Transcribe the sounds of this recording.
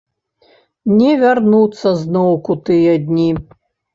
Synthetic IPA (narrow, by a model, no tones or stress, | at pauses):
nʲɛvʲarnut̪sːɐznɔwkut̪ɨjɐd̪ʲnʲi